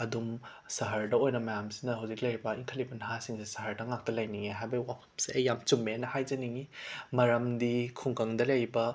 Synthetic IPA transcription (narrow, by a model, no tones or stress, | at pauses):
ɐdum | sɐɦɐɾdɐojnɐmɐjamsi̥nɐɦawzik̚lɐɾbɐiŋkʰɐlibɐnɐɦasiŋsisɐɦɐɾdɐŋak̚tɐlɐjniŋeɦajbɐwapʰɐ̥msiɐjamt͡ʃumːenɐhajd͡ʒɐniŋimɐɾɐmdikʰuŋkɐŋdɐlɐjbɐ